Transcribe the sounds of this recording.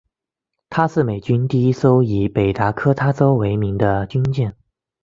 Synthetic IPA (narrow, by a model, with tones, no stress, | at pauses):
t̪ʰa˥ʂɻ̩˥˩me˨˩ɪt͡ɕy˥nt̪i˥˧i˥so˥ʊi˧˥pe˨˩ɪt̪a˧˥kʰɤ˥t̪ʰa˥t͡so˥ʊwe˧˥ɪmi˧˥ŋd̪ə˧t͡ɕy˥nt͡ɕjɛ˥˩n